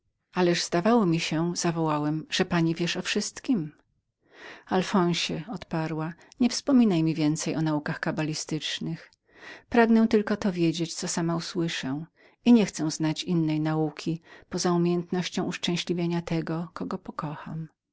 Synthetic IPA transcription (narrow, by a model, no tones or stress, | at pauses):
alɛʐzd̪avawɔmʲiɕɛz̥avɔwawɛmʐ̥ɛpaɲivʲjɛʂɔfʂɘst̪kʲim | alfɔ̃w̃ɕɛɔt̪paɾwaɲɛfspɔmʲinajmʲivʲjɛnt̪sɛjɔnaukaxkabalʲist̪ɘt͡ʂnɘx | pɾaɡnɛ̃t̪ɘlkɔt̪ɔvʲjed͡ʑet͡ɕt̪sɔsamauswɘʂɛ̃ | iɲɛxt̪sɛw̃znat͡ɕinːɛjnaukʲʰipɔzaumʲjejɛnt̪nɔɕt͡ɕɔ̃w̃uʂt͡ʂɛ̃w̃ɕlʲivʲjeɲat̪ɛɡɔkɔɡɔpɔkɔxa̰m